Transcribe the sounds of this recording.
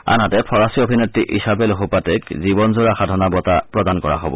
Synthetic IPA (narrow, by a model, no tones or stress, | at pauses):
a̰nɦatɛpʰɔɹasiobʱinetɹiʔisabɛloɦupatɛkzibɔnzoɹaxadʱɔnabɔtapɹɔdankɔɹa̰ɦobɔ̰